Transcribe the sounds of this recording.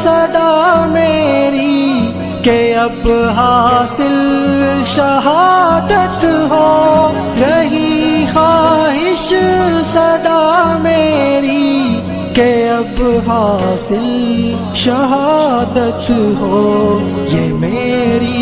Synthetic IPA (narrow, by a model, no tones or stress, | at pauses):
sɐd̪aːmeːɾi | keɐbɦaːsɪlʃɐɦaːd̪ət̪ɦoː | ɾɐɦixaːɦɪʃsɐd̪aːmeːɾi | keɐbɦaːsɪl | ʃɐɦaːd̪ət̪ɦoː | jemeːɾi